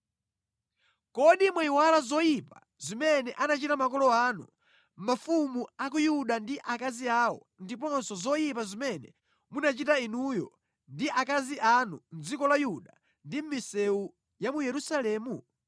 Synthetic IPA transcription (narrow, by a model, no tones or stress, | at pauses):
kɔɗimwaiwalazɔjipa | zimɛnɛʔanat͡ʃitamakɔlɔaːnṵ | mafumuak̬ujuɗandiʔakaziaːwɔ̰ | ndipɔnsɔzɔjipazimɛnɛ̰ | munat͡ʃitainujɔ | ndiʔakaziʔanun̩d͡zikɔlajuɗa | ndim̩misɛu | jamujɛɾusalɛːmu